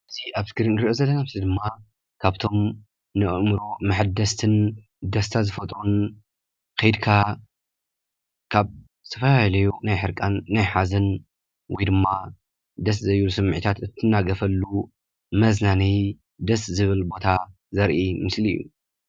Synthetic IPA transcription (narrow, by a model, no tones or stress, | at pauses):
ʔɨziʔaβt̪kɨɾinɾiʔozɐlːɐnamzid̪ɨmːa | kʰaβt̪ʰo̞m | nɨʔɨmɾomaħɨd̪ɐst̪ʰɨn | d̪ɐst̪ʰazɨfɐt̪ʼɾun | kʰɐjd̪kʰa | kʰaβ | t̪ʰɐfɐlajlɐjunajħɨɾkʼanːajħazɐn | wɔjd̪ɨmːa | d̪ɐszɐjlusɨmːʕɨt̪ʰat̪ɨt̪ʰːɨnːaɡɐfɐlːu | mɐznanij | d̪ɐszɨβɨlbo̞t̪ʰa | zɐɾʔimɨslḭjːṵ